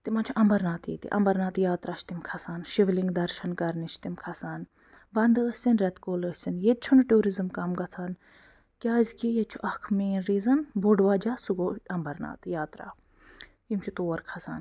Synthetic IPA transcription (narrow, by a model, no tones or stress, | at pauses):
t̪imɐnt͡ʃʰuʔɐmbɐɾnaːt̪jḭːt̪ḭʔɐ̰mbɐɾnaːt̪jaːt̪ɾaːt͡ʃʰt̪imkʰɐsaːnʃiʋliŋɡd̪ɐɾʃɐnkɐɾnit͡ʃʰt̪imkʰɐsaːn | bɐnd̪əsʲsʲinɾɐt̪koːləsʲsinjet͡ʃʰunʈuːɾizɨmkɐmɡɐt͡sʰaːn | kʲaːzʲkijet͡ʃʰuʔɐkʰmeːnɾiːzɐnboɖʋaːd͡ʒaːsuɡoːɐmbɐɾna̰ːt̪jaːt̪ɾa̰ː | jimt͡ʃʰut̪oːʋɐɾkʰɐsa̰ːn